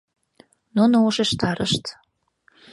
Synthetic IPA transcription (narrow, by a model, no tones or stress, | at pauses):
nunooʃeʃt̪ɑɾə̰ʃt̪